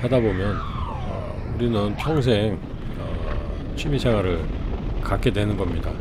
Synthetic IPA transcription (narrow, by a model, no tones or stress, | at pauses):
hadabomjʌn | ʌ̰ | uɾinɯnpʰjʌŋs̬ʰeŋ | ʌ | t͡ɕʰɥimisʰe̞ŋwaɾɯɭkak͈e̞dwe̞nɯnɡʌmɲida